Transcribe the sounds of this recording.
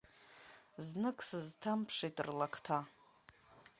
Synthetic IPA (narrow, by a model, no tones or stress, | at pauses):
znɨkʼsɨztʰampʰʂitʼɨ̰rlakʰtʰa